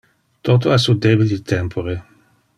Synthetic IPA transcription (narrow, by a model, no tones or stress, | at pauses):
t̪ot̪oasud̪ebilit̪ʰɛmpʰoɾe